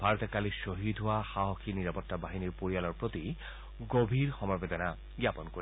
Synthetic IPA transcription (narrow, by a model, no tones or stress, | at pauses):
b̥ʱaɹɔt̪ɛkalisoɦidʱɦowaxaɦɔkʰiniɹapɔtːabaɦiniɹpoɹijalɔɹpɹot̪i | ɡobʱiɹxɔmɔɹbɛdɔna | ɡjapɔnkoɹi